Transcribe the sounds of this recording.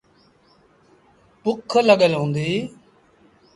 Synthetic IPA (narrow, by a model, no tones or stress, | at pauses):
pʊkʰːələɠəlõːnd̪iː